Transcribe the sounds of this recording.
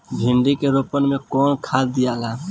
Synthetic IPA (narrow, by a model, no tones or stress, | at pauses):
bʱiɳɖikeɾopənmekɔnkʰad̪d̪ijala